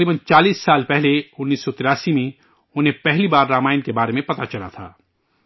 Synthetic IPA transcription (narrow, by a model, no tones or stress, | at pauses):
ɾiːbənt͡ʃaːliːsːaːlpɛɦleʊnːiːsːɔt̪ɪɾaːsimẽ | ʊnɦẽpɛɦlibaːɾːaːmaːɪnkebaːɾemẽpɐt̪at͡ʃɐla̰t̪ʰa̰ː